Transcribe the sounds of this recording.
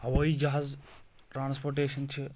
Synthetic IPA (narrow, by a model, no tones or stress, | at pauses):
aʋoid͡ʒaɦaːz | ʈɾãːnspoːɾʈ̬eːʃɐnt͡ʃʰi